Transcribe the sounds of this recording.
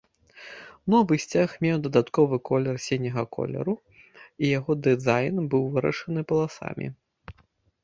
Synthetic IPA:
nɔvɨsʲt͡sʲaxmʲɛwd̪ɐd̪at̪kɔvɨkʰɔlʲɛrsʲenʲɐɣɐkɔ̰lʲɛ̰ɾu | ijaɣɔd̪ɨzajnbɨwvɨɾɐ̰ʂɐnɨpɐlˠasa̰mʲḭ

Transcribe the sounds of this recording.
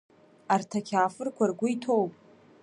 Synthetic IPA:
artʰakʲʰaːfɨrkʷʰarɡʷʊitʰo̞wpʼ

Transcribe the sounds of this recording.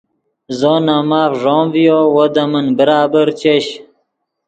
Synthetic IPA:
zonamaːfʐoːmvijowod̪ɐmənbəɾaːbəɾt͡ɕeɕ

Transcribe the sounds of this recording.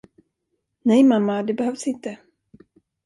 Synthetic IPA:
nɛjmamːad̪ɛbɛhœvsɪnt̪ə

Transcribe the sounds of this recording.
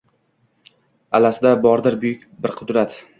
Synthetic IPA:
alasɪd̪abɒɾd̪ɪɾbʊjʊkʲbɪɾqʰʊd̪ɾat̪

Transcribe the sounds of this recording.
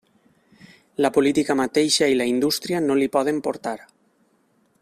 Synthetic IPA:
lapolit̪ikamat̪ejʃailaind̪ust̪ɾianolipɔð̞empoɾt̪aɾ

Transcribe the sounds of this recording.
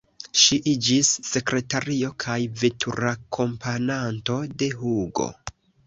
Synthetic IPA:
ʃiʔid͡ʒisːe̞kɾe̞taɾio̞kʰajvetʰuɾakʰo̞mpʰananto̞de̞ɦuɡo̞̰

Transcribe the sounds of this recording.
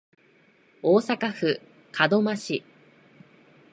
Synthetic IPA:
oːsakaɸɯ̟ | kʰad̪o̞maɕi

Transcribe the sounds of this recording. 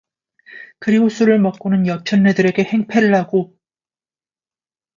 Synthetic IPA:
kɯɾiɡosʰuɾɯɭmʌk͈̚onɯnjʌt͡ɕʰʌnːedɯɾe̞ɡe̞he̞ŋpʰe̞ɾɯɭhaɡo

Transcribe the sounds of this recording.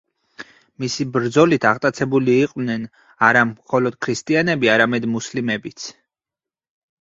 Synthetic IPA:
misibɾd̪zɔlit̪ʰaʁt̪ʼat̪sʰɛbuliːqʼwvnɛn | aɾamχɔlɔd̪̥̚kʰɾist̪ʼianɛbiaɾamɛd̪muslimɛbit̪sʰ

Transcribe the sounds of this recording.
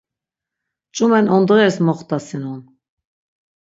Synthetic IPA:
t͡ʃʼumɛnɔnd̪ʁɛɾsmɔχt̪asinun

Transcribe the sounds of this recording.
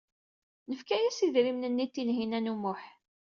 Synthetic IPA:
nəfkæjæsiðɾimnənːit̪ːinɦinænumʊħ

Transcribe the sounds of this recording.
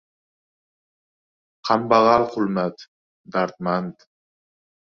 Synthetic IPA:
qʰambɑʁɑlqʰʊlmat̪ | d̪aɾt̪mant̪

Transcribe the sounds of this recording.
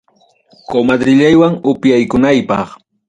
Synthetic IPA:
komad̪ɾɪʎajwaŋʊpjajkʊnajpɑ̰χ

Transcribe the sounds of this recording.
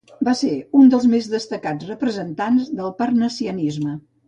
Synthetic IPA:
baseund̪əlˠzmezðəst̪əkad͡zrəpɾəzənt̪anzðəlˠpərnəsiənizmə

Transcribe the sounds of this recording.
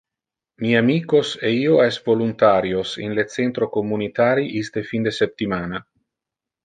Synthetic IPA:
miamiːkoseiːoɛsvolunt̪aːɾjosḭnlet̪sent̪ɾokomːunit̪aːɾiʔist̪efind̪esep̚t̪imaːna

